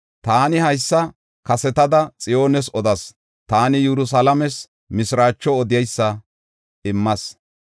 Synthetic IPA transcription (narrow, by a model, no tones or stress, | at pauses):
t̪aːnɪhɐjsːɐ | kɐsɛt̪ɐd̪ɐt͡sʼɪjo̞ːnɛsɔd̪ɐs | t̪aːnɪjɛɾʊs̬alɐmɛs | mɪsɾaːt͡ʃːɔːd̪ɪjɛjsːɐ | ɪmːɐs